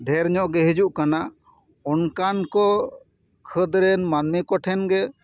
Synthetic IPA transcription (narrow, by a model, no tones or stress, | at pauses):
ɖʱɛɾɲɔʔɡɛɦid͡ʒuʔkana | ɔnkankɔ | kʰəd̪ɾɛnmanmikɔʈʰɛnɡɛ